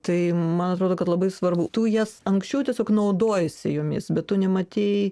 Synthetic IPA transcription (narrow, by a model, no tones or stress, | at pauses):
t̪ɐɪmɐnɐt̪ɾoːdoːkɐt̪lˠɐbɐɪsʋɐrbut̪ujɛsɐŋksʲt͡ʃʲɛʊtʲiɛsʲoːknɐʊd̪oːjɛsʲɪ̰joːmʲɪ̰sbʲɛt̪t̪ʊnʲɛmɐt̪ʲeɪ